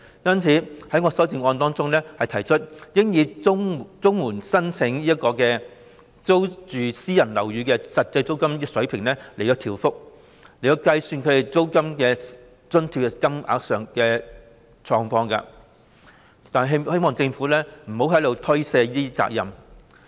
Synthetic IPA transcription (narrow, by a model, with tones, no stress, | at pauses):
jɐ˥nt͡sʰiː˨˥hɐ˨˥jŋɔː˧sɔː˨˥t͡sɪ˨˧ŋɔː˧nt̪ɔː˥ŋt͡sʊ˥ŋlɛː˥hɐ˨jt̪ʰɐ˨˩jt͡ʃʰɵ˥t̚jɪ˥ŋjiː˨˧˥t͡sʊ˥ŋmuː˨˩nsɐ˥nt͡sʰɪ˨˥ŋliː˥ɐ˥t̚kɔː˧kɛː˧ | t͡so˥wt͡ʃyː˨siː˥jɐ˨˩nlɐ˨˩wjyː˨˧kɛː˧sɐ˨t̚t͡sɐ˧jt͡so˥wkɐ˥m˥sɵ˨˥ɥpʰɪ˨˩ŋlɛː˥le˨˩j̪ɐ˨˧wt̪ʰiː˨˩wfʊ˥k̚ | le˨˩jɐ˨˧wkɐ˧jsyː˧nkʰɵ˨˧˥t̪e˨˩t͡so˥wkɐ˥mkɛː˧ | t͡sɵ˥nt̪ʰiː˧w̚ɛ˨kɐ˥mʔa̰ː˨˧k̚sœː˨ŋkɛː˧ | t͡sʰɔː˧ŋfɔː˧ŋkɐ̰˧ | t̪aː˨nɐ˨ɦhe˥jmɔː˨˩ŋt͡sɪ˧ŋfu˨˥lɛː˥m̩˨˩ho˨˥wɦɐ˨˥jlo˨˧wt̪ʰɵ˥ɥseː˧˥t̪iː˥t͡sa̰ː˧k̚jɐ̰˨˩m